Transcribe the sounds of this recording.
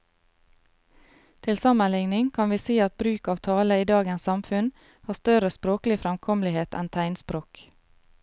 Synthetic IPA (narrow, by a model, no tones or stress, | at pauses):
t̪ʰɪlsɑmənlɪŋnɪŋkʰɑnʋiːsiːɑt̪̚bɾʉːkɑːʋt̪ʰɑːləiːd̪ɑːɡɛnsɑmfʉn | hɑːst̪œɾəspɾoːklɪfɾɛmkʰɔmlɪheːt̪ʰɛ̰nt̪ʰæɪnspɾoːk